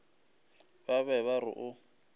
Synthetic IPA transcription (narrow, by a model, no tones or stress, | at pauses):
baβɛβarɪ̰ʔʊ